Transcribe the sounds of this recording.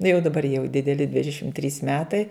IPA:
nʊ jɛʊ dɐˈbɐr jɛʊ dʲɪdʲɛˈlʲɪ ˈdʲʋʲɪdʲɛʃʲɪm tʲrʲiːs ˈmʲæːtɐɪ

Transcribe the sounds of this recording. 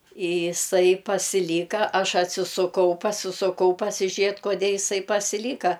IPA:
ɪ ɪˈsɐɪ pɐsʲɪˈlʲiːkɐ ˈɐʃ ɐtʲsʲɪsʊˈkɐʊ pɐsʲɪsʊˈkɐʊ pɐsʲɪˈʒʲeːt koːˈdʲeː ɪˈsɐɪ pɐsʲɪˈlʲiːkɐ

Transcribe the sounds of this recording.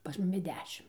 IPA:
pɐs ˈmʊmʲɪ ˈdʲæːʃʲɪm

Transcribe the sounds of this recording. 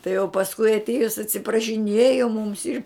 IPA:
tɐɪ oː pɐsˈkʊɪ ɐtʲˈiɛjʊs ɐtʲsʲɪprɐʃʲɪˈnʲeːjoː mʊms ɪr

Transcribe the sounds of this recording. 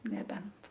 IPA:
nʲɛˈbʲɛnt

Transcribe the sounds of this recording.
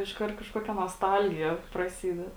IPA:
ɪʃˈkɐrt kɐʃˈkoːkʲɛ noːsˈtɐlʲɡʲɪjɛ prɐˈsʲiːdʲɛt

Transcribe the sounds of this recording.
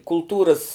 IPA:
kʊlˠˈtuːrɐs

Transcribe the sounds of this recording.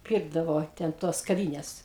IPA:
ˈpʲiːrɡdɐʋoː tʲɛn ˈtoːs kɐˈʋʲiːnʲɛs

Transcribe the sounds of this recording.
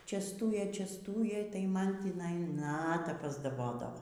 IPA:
t͡ʃʲɛsˈtuːjeː t͡ʃʲɛsˈtuːjeː tɐɪ ˈmɐn tʲiːˈnɐɪ ˈnɑːtɐ pɐzdɐˈboːdɐʋoː

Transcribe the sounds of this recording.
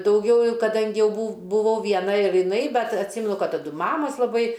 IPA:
dɐʊˈɡʲɛʊ kɐˈdɐŋʲɡʲɪ ˈjɛʊ bʊ bʊˈʋɐʊ ˈʋʲiɛnɐ ɪr jɪˈnɐɪ ˈbʲɛt ɐtʲˈsʲiːmʲɛnʊ ˈkɐt tɐˈdʊ ˈmɑːmoːs lˠɐˈbɐɪ

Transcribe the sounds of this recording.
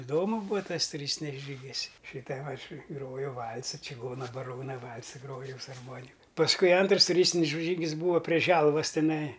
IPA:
ɪˈdoːmʊ ˈbuːɐ ˈtɐs tʊˈrʲiːsʲtʲɪnʲɪs ˈʒʲiːɡʲɪs ˈʃʲɪtɐ ˈɐʃ ˈɡroːjɛʊ ˈʋɐlˠsɐ t͡ʃʲɪˈɡoːnɐ bɐˈroːnɐ ˈʋɐlˠsɐ ˈɡroːjɛʊ sʊ ɐrˈmoːnʲɪkɐ pɐsˈkʊɪ ˈɐntrɐs tʊˈrʲiːsʲtʲɪnʲɪs ˈʒʲiːɡʲɪs ˈbuːʋɐ pʲrʲiɛ ˈʒʲɛlˠʋɐs tʲɛˈnɐɪ

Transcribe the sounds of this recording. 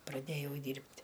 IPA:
prɐˈdʲeːjɛʊ ˈdʲiːrʲpʲtʲ

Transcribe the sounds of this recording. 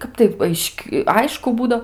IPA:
ˈkɐp tɐɪ ˈɐɪʃʲkʲ ˈɐɪʃkʊ ˈbuːdoː

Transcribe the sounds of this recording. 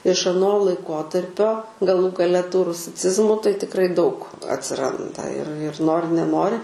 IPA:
ɪʃ ɐˈnoː lˠɐɪˈkoːtɐrʲpʲoː ɡɐˈlˠuː ɡɐˈlʲɛ tuː rʊsʲɪˈt͡sʲɪzmuː tɐɪ tʲɪkˈrɐɪ dɐʊk ɐtʲsʲɪˈrɐndɐ ɪr ɪr ˈnoːrʲɪ nʲɛˈnoːrʲɪ

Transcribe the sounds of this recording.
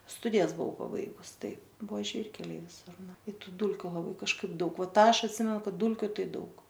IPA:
ˈstʊdʲɪjɛs bʊˈʋɐʊ pɐˈbɐɪɡʊs ˈtɐɪp ˈbʊʋoː ˈʒʲʋʲiːrʲkʲɛlʲɛɪ ʋʲɪˈsʊr ˈnʊ ɪ ˈtʊ ˈduːlʲkʲʊ lˠɐˈbɐɪ kɐʃˈkɐɪp ˈdɐʊk ˈʋɐ ˈtɑː ˈɐʃ ɐtʲˈsʲɪmʲɛnʊ ˈkɐt ˈduːlʲkʲʊ ˈtɐɪ ˈdɐʊk

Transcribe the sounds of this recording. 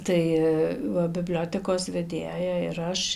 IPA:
ˈtɐɪ ˈʋɐ bʲɪˈbʲlʲoːtʲɛkoːs ʋʲɛˈdʲeːjɛ ɪr ˈɐʃ

